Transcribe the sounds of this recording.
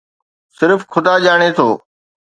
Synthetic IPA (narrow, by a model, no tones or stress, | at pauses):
sɪɾfkʰʊd̪aʄaːɽ̃et̪ʰoː